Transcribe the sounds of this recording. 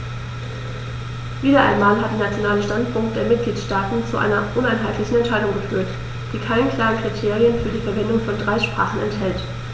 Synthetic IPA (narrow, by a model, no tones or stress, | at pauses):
viːdɐʔaɪnmaːlɦatd̥eːnat͡sjonaːləʃtantpʰʊŋk̚t̚d̥eːɐmɪt̚ɡ̥liːtʃtaːtn̩t͡suʔa̰ɪnɐʔʊnaɪnɦaɪtlɪçn̩ɛntʃaɪdʊŋɡəfyːɐt | d̥iːkʰaɪnənkʰl̥aːʁənkʁ̥itʰeːʁiənfyːɐdiːfɛɐvɛndʊŋfɔndʁaɪʃpʁ̥aːχn̩ɛ̰nthɛlt